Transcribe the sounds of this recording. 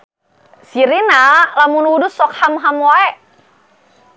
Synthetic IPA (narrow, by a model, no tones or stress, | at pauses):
siɾinalamunudusɔk̚hamɦamwaɛʔ